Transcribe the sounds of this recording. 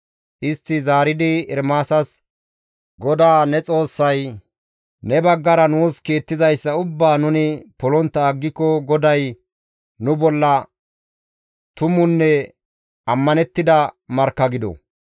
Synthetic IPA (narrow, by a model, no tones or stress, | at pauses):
ʔɪst̪ːɪzaːɾɪd̪ɪɪɾmaːsɐs | ɡɔd̪aːnɛt͡sʼo̞ːsːɐj | nɛbɐɡːɐɾɐnuːskeːt̪ːɪzɐjsːɐʊbːaːnʊnɪpɔlɔnt̪ːɐːɡːɪkːɔɡɔd̪ɐj | nʊbɔlːɐ | t̪ʊmʊnːɛ | ɐmːɐnɛt̪ːɪd̪ɐmɐɾkːɐɡɪd̪ɔ̰